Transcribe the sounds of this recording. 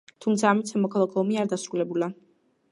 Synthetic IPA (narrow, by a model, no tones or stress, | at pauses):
t̪ʰumt̪sʰaːmit̪samɔkʰalˠakʰɔɔmiaɾd̪asɾulɛbula